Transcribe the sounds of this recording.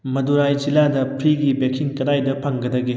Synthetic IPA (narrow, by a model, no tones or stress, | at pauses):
mɐduɾajd͡ʒiladɐpʰɾiɡibekʰiŋkɐdajdɐpʰaŋɡɐdɐɡe